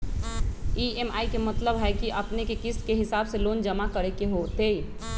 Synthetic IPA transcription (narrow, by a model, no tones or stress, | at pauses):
ieːmaːikemət̪ləbɦɛkiʔɐpnekekɪst̪keɦɪsaːbseloːnd͡ʒəmakəɾekeɦot̪ei